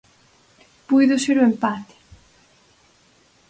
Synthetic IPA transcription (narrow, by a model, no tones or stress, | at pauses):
pujðʊseɾoempat̪ɪ̥